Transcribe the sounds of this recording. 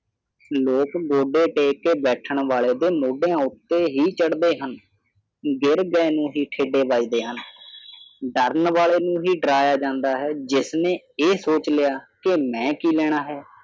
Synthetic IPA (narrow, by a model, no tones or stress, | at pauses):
loːkɡoːɖeːʈeːkːeːbɛːʈʰəɳʋaːleːd̪eːmoːɖejãːʊt̪ːeːɦiːt͡ʃəɽd̪eːɦən | ɡɪɾɡɛːnũːɦiːʈʰeːɖeːʋaːiːd̪eːɦən | ɖəɾənʋaːleːnũːɦiːɖɾaːjaːd͡ʒãːnd̪aːɦɛːd͡ʒɪsnẽː | eːsoːt͡ʃlɪjaːkɪmɛ̃ːkiːlɛːɽ̃aːɦɛː